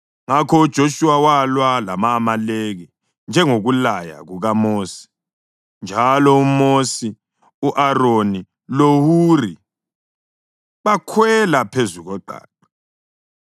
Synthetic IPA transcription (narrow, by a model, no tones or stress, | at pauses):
ŋakʰɔud̥ʒ̥ʱoʃuwawalwalamaːmaleɣi | nd͡ʒʱɛŋoɣulaja̰ɣuɣamoːsi̥ | nd͡ʒʱalɔumosi | uʔaroni | lohuri | βakʰwɛlapʰezuɣɔǃa̰ːǃa